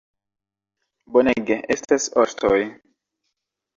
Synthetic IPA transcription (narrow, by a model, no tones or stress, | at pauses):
boneɡeʔestasostʰoj